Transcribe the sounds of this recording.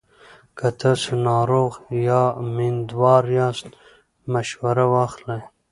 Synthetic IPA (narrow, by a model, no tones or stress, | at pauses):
kat̪ʰasənɑːɾoːɣjɑmind̪wɑːɾjɑːst̪ | maʃwaɾawɑːxlaj